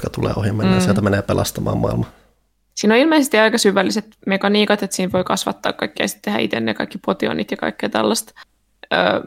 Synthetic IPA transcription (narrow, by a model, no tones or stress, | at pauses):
kɑt̪ulḛːohimːenːesieæmeneːpelɑst̪ɑmɑ̰ːmɑ̰ilmɑ | siːnoilmeisest̪iɑikɑsyʋːælːiset̪mekɑniːkɑt̪et̪siːnʋoikɑsʋɑ̰t̪ːɑ̰ːkkːɑikːiɑ̰si̥t̪t̪ːehæʔḭt̪ḛnːḛjkɑ̰ikːipot̪io̰nit̪jɑkɑ̰ikːḛːt̪æ̰lːɑst̪ | ø̰ː